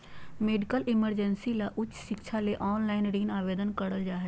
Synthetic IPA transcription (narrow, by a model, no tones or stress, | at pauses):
meːɖɪkəlɪməɾd͡ʑənsilaʔʊt͡ɕʰʃɪkʃʰaleʔɔːnlaːɪnɾiːnaːʋeːd̪ənkɐɽəld͡ʒaːɦe